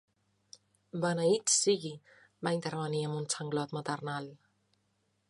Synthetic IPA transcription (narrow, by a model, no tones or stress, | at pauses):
banaitsiɡi | bajŋʲt̪aɾβaniamunt͡sʰaŋɡlɔt̪mat̪arnal